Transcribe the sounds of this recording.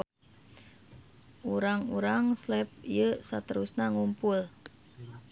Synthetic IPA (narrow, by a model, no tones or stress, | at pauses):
ʔuɾaŋuɾaŋslɛp̚ijəsat̪əɾusnaŋumpʊl